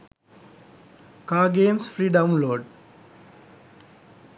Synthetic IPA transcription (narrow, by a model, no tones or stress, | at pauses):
kaːɡẽːmsfɾiːɖãʊ̃nloːɖ